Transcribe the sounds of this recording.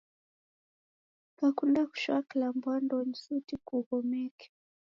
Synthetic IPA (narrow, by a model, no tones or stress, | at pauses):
kakundaku̥ʃwakilambwandɔɲisutikuɣɔmɛkɛ̥